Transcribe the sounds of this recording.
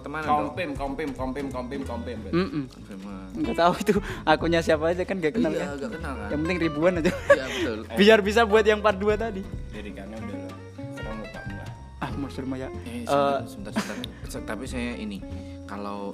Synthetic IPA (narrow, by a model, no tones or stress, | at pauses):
t̪əmankɔmpɪmkɔmpɪmkɔmpɪmkɔmpɪmkɔmpɪmbm̩ʔm̩ | m | ŋɡaʔt̪auit̪uʔakuɲasiapadakanɡaʔkənalkaɡakənalkajaŋpənt̪ɪŋribuanat̪uabət̪ʊlbijarbis̬abuat̪̚jaŋpaduat̪adidaɾikanabət | səɾa̰ŋɡaʔpa̰dua̰ | ahmusʊrmajaʔəsət̪ast̪ast̪apisajaʔḭni | kalow